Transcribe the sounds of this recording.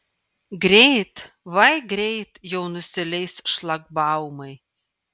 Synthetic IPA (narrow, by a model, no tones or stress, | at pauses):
ɡɾʲejt̪ | vajɡɾʲejt̪jownɨsʲɛlʲejsʃlˠaɡbawmɐj